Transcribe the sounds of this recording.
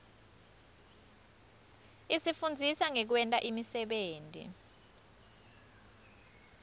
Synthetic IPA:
isifund͡zʱisaŋɛk̬wɛntʼaʔimisɛɓeːntʼḭ

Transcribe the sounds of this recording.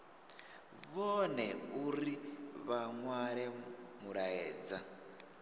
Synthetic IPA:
βɔnɛuɾiβaŋwaɺɛmuɺaɛːd͡za

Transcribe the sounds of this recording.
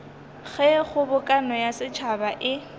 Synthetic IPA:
ɣɛχʊbʊkʼanɔjasɪt͡ʃʰabaʔɪ

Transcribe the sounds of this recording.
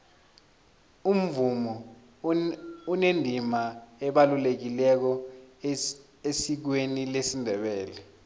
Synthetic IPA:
um̩vumɔ | unendʱimaɛɓalulek̬ilɛk̬ɔ | esik̬wenilesindʱɛɓɛːlɛ

